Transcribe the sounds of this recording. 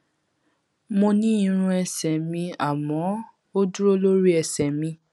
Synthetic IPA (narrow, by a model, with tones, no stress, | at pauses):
mo˧nĩ˦i˧ɾ̃ũ˧ɛ˧sɛ˨mĩ˧a˨mɔ̃˨˦ | o˦du˦ɾo˦lo˦ɾi˦ɛ˧sɛ˨mĩ˧